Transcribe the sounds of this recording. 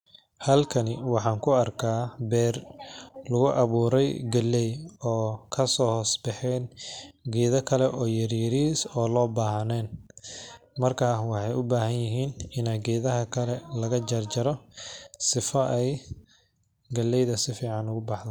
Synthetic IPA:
hɐlkʰɐnɪwɑħɑːŋkʰʊɐrkʰaːbɛːrlʊɣʊʔɐβuːɾɛjɡɐlːɛjɔːkʰɐsɔːhɔːsbɛħɛːnɡɛːðɐkʰɐlɛʔɔːjɐɾiɾiːsɔːlɔːbaːɦnɛːn | mɐrkʰaːwɑħɑjʊbaːhɐnjɪɦiːnɪnɐɡɛːðɐɦɐkʰɐlɛlɐɣɐd͡ʒɐrd͡ʒɐɾɔsɪfɐʔɛj | ɡɐlːɛjðɐsɪfiːʕɑnʊɣʊbɑħd̪ɐ

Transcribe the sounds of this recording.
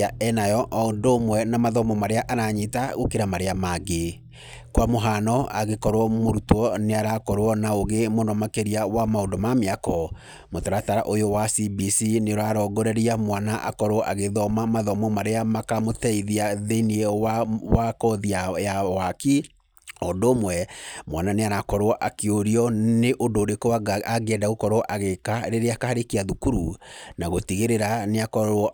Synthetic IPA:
aɛnajɔʔɔondomwɛnamaðɔmɔmaɾeaʔaɾaɲitaɣokeɾamaɾeamaɣe | kwamoɦanɔaɣekɔɾwɔmoɾutwɔneaɾakɔɾwɔnaoɣemonɔmakeɾiawamaondomameakɔ | motaɾataɾaʔojowasibisineɾaɾɔɡɔɾɛɾiamwanaʔa̰kɔɾoɔʔaɣeðɔmamaðɔmɔmaɾeamakamotɛiðiaðeniɛwawakɔðiajawaki | ɔdoːmwɛmwananeaɾakɔɾoɔʔakeoɾiɔneʔodoːɾekoaɡɛdaɣokɔɾoɔʔaɣekaɾeɾeakahaɾekiaðukuɾunaɣotiɣeɾeɾaneakɔɾɔ

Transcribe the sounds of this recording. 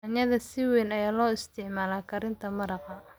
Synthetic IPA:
ɐnjɐðɐsɪwɛːnɐjaːlɔːɪst̪ʰɪʕmaːlaːkʰɐɾɪnt̪ʰɐmɐɾɑqɐ

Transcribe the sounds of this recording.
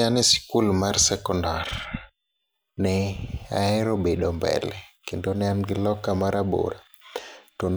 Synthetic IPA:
anɛsi̥kulmaɾsɛkɔndaɾ | nɛa̰ɛɾɔɓeɗɔmbɛ̰lɛkindonɛanɡilɔkamaɾaɓo̰ɾa | ton

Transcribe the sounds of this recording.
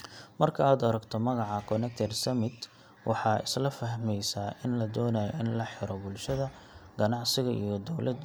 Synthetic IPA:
mɐrkʰɐaːd̪ɐɾɐɡt̪ʰɔmɐɣɑʕɑkʰɔnɛk̚t̪ʰɛrsɐmɪd̪ | wɑħɑːɪslɐfɐɦmɛjsaːʔɪnlɐd̪ɔːnajɔ̰ɪnlɐħɪɾɔbʊlʃɐðɐ | ɡ̥ɐnɑʕsɪɣɐijɞd̪ɔwlɐd̪

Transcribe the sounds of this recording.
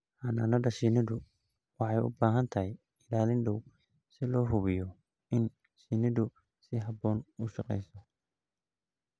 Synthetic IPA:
ħɐnaːnɐdɐʃinɪðʊ | wɑħɑjʊ̰baːɦɐnt̪ʰɐɦɛj | ɪlaːlɪnɖɔw | sɪlɔːɦʊβɪjɔ | ɪn | sinɪðʊ | sɪɦɐbɔːnʊʃɑqɛ̰jsɔ

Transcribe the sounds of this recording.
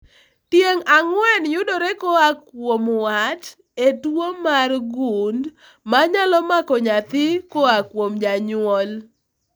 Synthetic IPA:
tjeŋaŋwɛnjʊdoɾekoakwomwat | etwomarɡund | maɲalɔmakɔɲat̪ɪkoakwomd͡ʒaɲʊwɔl

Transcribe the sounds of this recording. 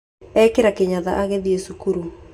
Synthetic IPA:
ɛkeɾakeɲaðaʔaɣeðiesukuɾu

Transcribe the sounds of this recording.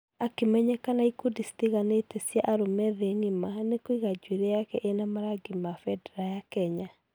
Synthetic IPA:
akemɛɲɛkanaikodistiɣanetesjaʔaɾomɛðeŋimanekoiɣad͡ʒweɾɛjakɛʔenamaɾaɡimafɛdɛɾajakɛɲa

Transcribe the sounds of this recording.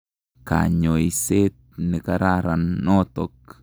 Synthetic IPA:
ka̰ɲoiset̪̚nekaɾaɾanːot̪ok

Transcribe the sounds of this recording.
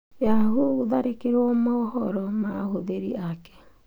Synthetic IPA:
aɦudaɾekeɾomaɦɔɾɔmahodeɾḭake̥

